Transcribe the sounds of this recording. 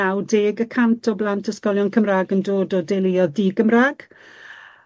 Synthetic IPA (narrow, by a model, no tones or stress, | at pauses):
awdeːɡəkʰantʰɔblˠantʰəskɔlˠjɔnkʰəmraːɡəndoːdɔdelˠɪɔðiɡəmraːɡ̥